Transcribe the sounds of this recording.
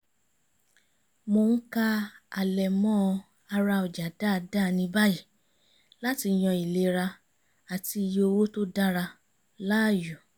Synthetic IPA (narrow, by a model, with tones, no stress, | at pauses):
mo˧n̩˦ka˦a˨lɛ˨mɔ̃˦ | a˧ɾa˧ɔ˨d͡ʒa˨da˦˧˨da˦˨nĩ˧ba˦ji˦˨ | la˦ti˧j̃ɔ̃˧i˨le˨˧ɾa˧ | a˨ti˧jo˧o˧wo˦to˦da˦ɾa˧ | la˦˨ju˨